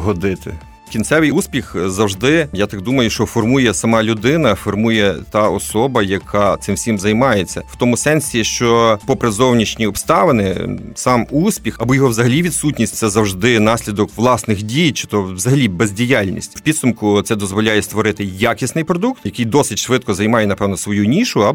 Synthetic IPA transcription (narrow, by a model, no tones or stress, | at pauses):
ɦɔd̪ɪt̪ɪ̰ | kʲinsɛʋɪjusʲpʲixzɐwʒd̪ɪjat̪ɑk̚d̪umɐjʊʃt͡ʃɔfɔrmujɛsɐmɑlʲʊd̪ɪnɐfɔrmujɛt̪ɑɔsɔbɐjɐkʰɑt̪sɪmwsʲimzɐjmɑjet͡sʲːɐw̥t̪ɔmʊsɛnsʲiʃt͡ʃɔpɔpɾezɔwnʲit͡ʃnʲiɔpst̪ɑʋɪnɪ̰sɑmusʲpʲixɐbɔjɔɦɔʋzɐɦɐlʲiʋʲid̪sutʲnʲisʲt̪ʲsɛzɐwʒd̪ɪnɑsʲlʲid̪ɔkʋlˠɑsnɪxdʲijt͡ʃɪ̥t̪ɔwzɐɦɐlʲibɛzʲdʲijalʲnʲḭsʲtʲwpʲid̪sʊmkʊt̪sɛd̪ɔzʋɔlʲajɛst̪ʋɔɾɪt̪ɪjakʲisnɪjpɾɔd̪uk̚t̪jɐkɪjd̪ɔsɪtʲʃʋɪt̪kɔzɐjmɑjɛnɐpɛʋnɔsʋɔjunʲiʃʊɐb